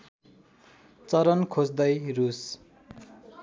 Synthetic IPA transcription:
t͡sʌɾʌnkʰod͡zd̪ʌjrus

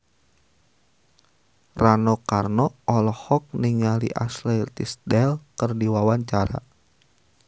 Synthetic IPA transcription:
ranɔkarnɔɔlɔhɔk̚niŋalḭʔaslɛt̪isdɛlkərdiwawaɲt͡ʃaɾa̰

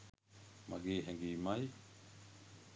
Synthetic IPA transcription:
ma̰ɡeːɦɛŋɡimaj

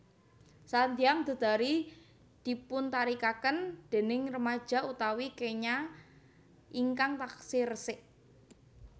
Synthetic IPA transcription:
sant̪iaŋd̪̥ə̤d̪̥a̤ɾi | d̪̥i̤pʊnt̪aɾikakənd̪̥e̤nɪŋrəmḁʒ̥a̤ut̪awikeɲa | ʔiŋkaŋt̪aksirəsɪʔ

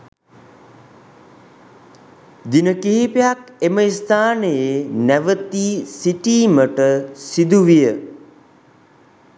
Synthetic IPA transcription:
d̪inəkiɦipejakeməist̪ʰaːnəjenæʋət̪iːsiʈiːməʈəsid̪uʋijə

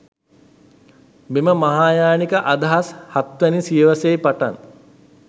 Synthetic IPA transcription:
meməmaɦaːjaːnikəʔad̪aɦashat̪ʋɛnisijəʋasejpaʈa̰n

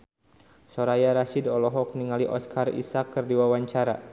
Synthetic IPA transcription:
sɔɾajaɾaʃidɔlɔɦɔk̚niŋaliʔɔskʰarḭsakːɨrdiwawaɲt͡ʃaɾa

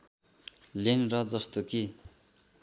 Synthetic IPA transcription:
lenrʌd͡zʌst̪oki

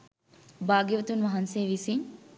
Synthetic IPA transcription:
baːɡjeʋɐt̪unʋɐɦɐnseːʋisiɲ

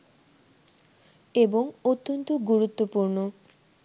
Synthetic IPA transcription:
eboŋot̪ːont̪oɡuɾut̪ːopuɾno

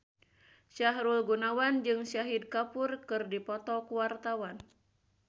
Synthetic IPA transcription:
ʃaɦɾulɡunawand͡ʒɨŋsaɦid̚kapurkɨrdipɔt̪ɔkuwart̪awan

